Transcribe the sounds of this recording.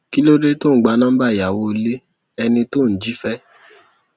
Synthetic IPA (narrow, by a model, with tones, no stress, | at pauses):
ki˦lo˦ɾe˦to˦˨ɡ͡ba˧˦nã˦ba˦˨ja˨wo˧˦le˦ | ɛ˧nĩ˧to˦˨n̩˨d͡ʒi˨˦fɛ˦